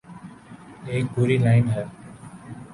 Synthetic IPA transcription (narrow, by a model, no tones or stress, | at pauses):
eːk̚bʱʊɾiːlaɪnɦɛː